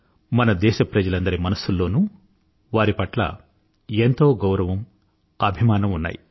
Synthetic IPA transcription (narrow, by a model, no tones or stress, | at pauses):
mɐnɐd̪ɛːʃɐpɾɐd͡ʒɐlɐnd̪ɐɾimɐnɐsulːo̞ːnuː | ʋaːɾipɐʈlɐ̰ | ent̪o̞ːɡɐwɾɐʋɐm | ɐbʱimaːnɐmunːa̰ːji